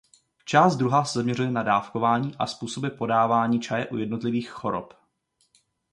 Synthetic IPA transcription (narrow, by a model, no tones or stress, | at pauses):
t͡ʃaːst̪d̪ɾuɦaːsɛzamɲɛrujɛnadaːfkovaːɲiːʔa̰spuːso̞bɪpo̞daːvaːɲiːt͡ʃajɛʔujɛdno̞t̪lɪviːxxo̞ɾo̰p